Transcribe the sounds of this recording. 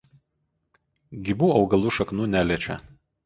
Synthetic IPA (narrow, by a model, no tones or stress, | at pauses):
ɡʲibuːɒʊɡɐlˠuːʃɐknuːnʲæːlʲiɛt͡ʃʲɛ